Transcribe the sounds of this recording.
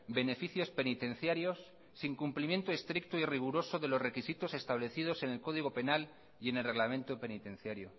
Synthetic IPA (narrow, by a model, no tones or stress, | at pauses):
be̞ne̞fiθjo̞spe̞nit̪ẽ̞n̟θjaɾjo̞sː | iŋkumplimje̞nt̪oe̞st̪ɾik̚t̪oiriɣ̞uɾo̞soðe̞lo̞zrekisit̪o̞se̞st̪aβle̞θið̞o̞se̞ne̞lko̞ðiɣ̞o̞pe̞nal | je̞nelre̞ɣlamẽ̞nt̪ope̞nit̪ẽ̞n̟θjaɾjo